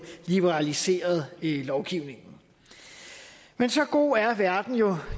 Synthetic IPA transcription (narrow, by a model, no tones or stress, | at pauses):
lib̥eʁɑ̈lise̝̰ːɐð̞ˠlɒʊɡ̥iʊne̝ŋn̩ | mensɒ̽ɡ̥o̝̰ːæɐʋæɐd̥n̩jo̝